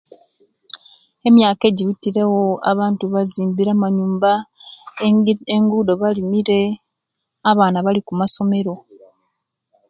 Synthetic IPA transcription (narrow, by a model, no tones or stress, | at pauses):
e̞mjaːke̞ɟiβitːiɾewoa̰βaːntuβaziːmbiɾamaɲuːmba | eŋɡudo̞βalimiɾe̞ | aβaːnaβalikumaso̞me̞ɾo̞